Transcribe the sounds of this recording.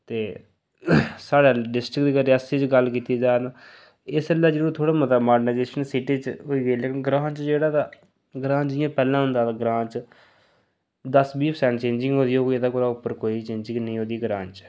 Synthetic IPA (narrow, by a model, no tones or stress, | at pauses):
t̪eː | saːɽaːɖɪsʈɾɪkd̪iːɡəɾiəsiːt͡ʃɡəlkiːt̪iːd͡ʒaːnaː | ɪsəlːaːd͡ʒeːoːt̪ʰoːɽaːmət̪amaːɖnajeːʃənsiʈiːt͡ʃɦoiːɡəiːleːkɪnɡɾãːt͡ʃd͡ʒeːɽaːt̪aː | ɡɾãːd͡ʒɪjãːpɛːlãːɦʊnd̪aːt̪aːɡɾãːt͡ʃ | d̪əsbiːpʰsɛ̃ːnt͡ʃẽːɲd͡ʒɪ̃ŋɡɦõːd̪iːoːkːed̪aːkoːɾaːʊpːəɾkoːiːt͡ʃẽːɲd͡ʒɪ̃ŋɡnəĩːɦoːd̪iːɡɾãːnt͡ʃ